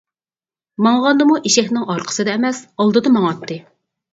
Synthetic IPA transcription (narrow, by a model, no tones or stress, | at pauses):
mɑŋʁɑnd̪ɨmuʔeʃɛçʲnɪŋɑɾqʰə̥sɨd̪ɛːmɛsɑlˠd̪ɨd̪ɑmɑŋɑt̪ːɨ